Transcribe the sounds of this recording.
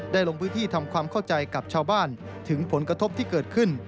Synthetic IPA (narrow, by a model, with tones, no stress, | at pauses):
daː˥˩jlo˧ŋpʰɯː˦˥nt̪iː˥˩t̪ʰa˧mkʰwaː˧mkʰa˥˩wt͡ɕa˧jka˨˩p̚t͡ɕʰaː˧wbaː˥˩n | t̪ʰɯ˩˦ŋpʰo˩˦nkɾa˧t̪ʰo˦˥p̚t̪ʰiː˥˩kɤː˨˩t̪̚kʰɯ˥˩n